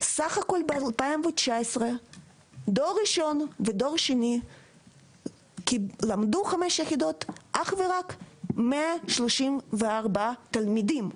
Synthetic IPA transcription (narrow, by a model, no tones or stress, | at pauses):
saχako̞lbealpaimvet͡ʃaesʁe | d̪o̞ʁiʃo̞nved̪o̞ʁʃeni | kilamd̪uχameʃjeχid̪o̞t̪ʔaχveʁakmeaʃloʃimveaʁbat̪almid̪im